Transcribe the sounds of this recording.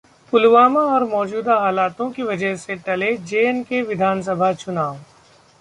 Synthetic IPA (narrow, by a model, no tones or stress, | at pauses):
pʊlʋaːmaɔːɾmɔːd͡ʒuːd̪aɦaːlaːt̪õkiʋɐd͡ʒəɦseʈɐled͡ʒeːnkeʋɪd̪ʱaːns̬ɐbʱat͡ʃʊnaːʋo